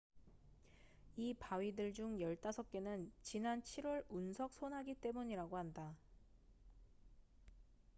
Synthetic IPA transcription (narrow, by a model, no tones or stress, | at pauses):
ipaɥidɯɭd͡ʑuŋjʌɭt͈asʰʌk̚k͈e̞nɯnt͡ɕinant͡ɕʰiɾwʌɭunsʰʌk̚sʰonɦaɡit͈e̞muɲiɾaɡoɦanda